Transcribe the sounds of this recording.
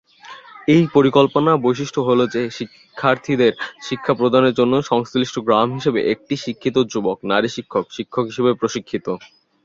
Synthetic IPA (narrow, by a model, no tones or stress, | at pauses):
ejpoɾikolponabojʃiʃʈʰoɦolod͡ʑeʃi | kʰːaɾt̪ʰid̪eɾʃikʰːapɾod̪ʱaneɾd͡ʑonːoʃɔŋsliʃʈʰoɡɾamɦiʃebḛʔek̚ʈiʃikʰːit̪od͡ʑuboknaɾiʃikʰːokʃikʰːokɦiʃebepɾoʃikʰːit̪o